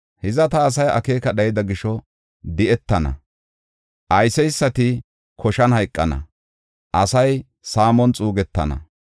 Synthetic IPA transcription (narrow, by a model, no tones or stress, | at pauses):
hɪzɐt̪ɐːs̬ɐjɐ̰ke̞ːkɐɗɐjɪd̪ɐɡɪʃɔ | d̪ɪɛt̪ːɐnɐ̰ | ʔɐjsɛjsːɐt̪ɪ | kʰɔʃɐnhɐjkʼːɐnɐ̰ | ʔɐsɐj | saːmɔnt͡sʼuːɡɛt̪ːɐ̰nɐ̰